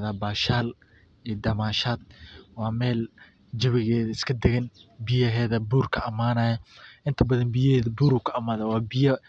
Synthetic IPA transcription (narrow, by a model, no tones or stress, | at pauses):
ðaːbaːʃaːl | ɛːd̪ɐmaːʃaːd̪̚wɑːmɛːl | d͡ʒɐβɪɣɛːðɐɪskʰɐd̪ɛɣɐnbɪjɐɦɛːðɐbuːrkʰɐʔɐmaːnɐːjɐʔɪnt̪ʰɐbɐðɐnbɪjɐɦɛːðɐbuːɾuːkʰɐɐmaːðɐwɑːbɪjɐ